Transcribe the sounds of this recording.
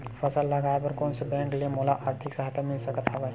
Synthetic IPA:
fəsəlːaɡʱajapəɾkoɳsebɛ̃ŋklemolaʔaɾt̪ʰiksəɦat̪jamilsəkat̪ʰaʋaj

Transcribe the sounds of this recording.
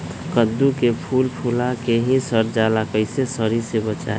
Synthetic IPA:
kəd̪ːukepʰuːlpʰuːlakeɦĩsəɾd͡ʒaːlakəɪsesəɾisebət͡ʃa̰e

